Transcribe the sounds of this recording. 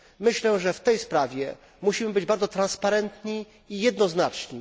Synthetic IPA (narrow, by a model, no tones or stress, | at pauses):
mɘɕlɛʐɛft̪ɛjspɾavʲjɛ | muɕimɘbɘd͡ʑbaɾd̪zɔt̪ɾanspaɾɛnt̪ɲiː | jɛd̪nɔznat͡ʂɲi